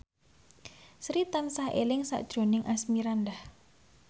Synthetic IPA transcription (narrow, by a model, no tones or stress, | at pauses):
sɾit̪ansahḛlɪŋsa̰ʔd̥ʒ̥o̤nɪŋʔasmiɾand̪ah